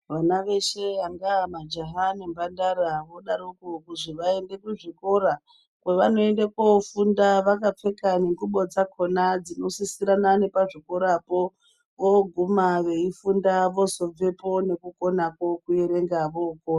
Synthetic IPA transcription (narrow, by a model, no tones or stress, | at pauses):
ʋanaʋe̞ʃe̞aŋɡamad͡ʒaɦanembandaɾaʋo̞ɗaɾukokuʐiʋae̞nde̞kuʐiko̞ɾa | kweʋano̞e̞ndekofundaʋakap͡fe̞kaneŋɡuɓo̞d͡zakʰo̞nad͡zino̞sisiɾanane̞paʐiko̞ɾapo̞ | ʋoɡʱumaʋe̞ifundaʋo̞so̞b͡ve̞po̞ne̞kuko̞nakwokueɾe̞ŋɡaʋoko